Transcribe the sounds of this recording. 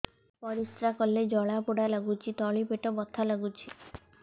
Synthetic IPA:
pɔɾist̪ɾakɔlːed͡ʒɔɭapuɽalaɡut͡ʃʰit̪ɔɭipeʈɔbɔt̪ʰalaɡut͡ʃʰi̥

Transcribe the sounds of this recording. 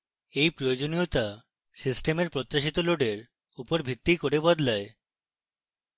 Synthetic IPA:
ejpɾojod͡ʑoniot̪a | sisʈemeɾpɾot̪ːaʃit̪oloɖeɾ | upoɾbʱit̪ːikoɾebɔd̪lae

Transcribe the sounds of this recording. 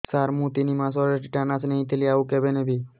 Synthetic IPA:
saːɾmũt̪inimãs̬ɔɾeʈiʈaːnasnəɦĩt̪ʰeliaːʋũkebenẽbʱiː

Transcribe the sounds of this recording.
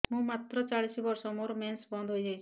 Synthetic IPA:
mũmat̪ɾɔt͡ʃaɭisibɔɾsɔmoɾmensbɔnd̪ʱɦojd͡ʒajt͡ʃʰii̥

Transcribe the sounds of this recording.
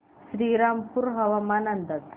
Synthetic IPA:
ʃɾiɾampuɾɦɐʋamanɐnd̪ət̪

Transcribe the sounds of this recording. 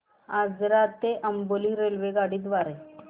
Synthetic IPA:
ad͡zɾat̪eʔəmboliɾelʋeɡaɽiːd̪ʋaɾe

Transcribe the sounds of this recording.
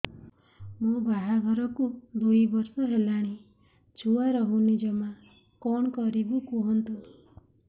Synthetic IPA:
mũbaɦaɡʱɔɾɔkud̪ujbɔɾsɔɦelaɽ̃i | t͡ʃuaɾɔɦunid͡ʒɔma | kɔɳ̃kɔɾibukuɦɔnt̪u

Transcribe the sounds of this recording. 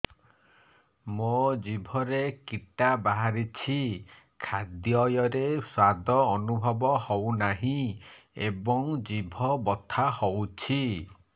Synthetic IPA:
mod͡ʒibʱɔɾekiʈabaɦaɾit͡ʃʰi | kʰad̪jɔjɔɾeswad̪ʱɔːnubʱɔbɔhownaɦĩ | ebɔŋd͡ʒibʱɔbɔt̪ʰahowt͡ʃʰi

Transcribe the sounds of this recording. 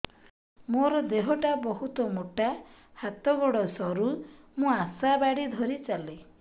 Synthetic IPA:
moɾɔd̪eɦɔʈabɔɦut̪ɔmoʈa | hat̪ɔɡɔɽɔsɔɾu | mũasabaɽid̪ʱɔɾit͡ʃale

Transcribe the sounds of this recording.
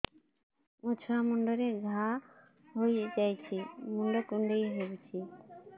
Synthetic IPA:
ũt͡ʃʰɔamuɳɖɔɾeɡʱa | ɦojd͡ʒajt͡ʃʰimuɳɖɔkũɳɖejɦebut͡ʃʰi

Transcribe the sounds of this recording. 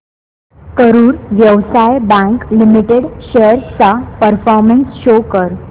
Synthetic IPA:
kəɾuːɾʋjəʋsajbãŋklimiʈeɽɕejəɾt͡sapəɾfɔɾmənsɕokəɾ

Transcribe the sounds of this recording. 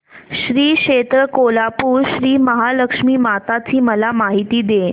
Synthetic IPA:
ɕɾiːɕet̪ɾəkolapuːɾɕɾiːməɦaləkʂmiːmat̪at͡ɕiːməlamaɦit̪iːd̪e

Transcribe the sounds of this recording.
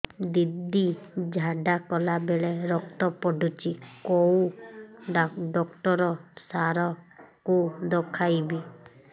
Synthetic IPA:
d̪id̪ːid͡ʒʱaɖakɔlabeɭeɾɔk̚t̪ɔpɔɖʱut͡ʃikɔũ | ɖɔkʈɔɾɔsaɾɔkud̪ɔkʰajbi

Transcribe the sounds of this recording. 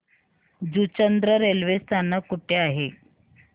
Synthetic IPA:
d͡zut͡ɕənd̪ɾəɾelʋest̪anːəkuʈʰeaɦe

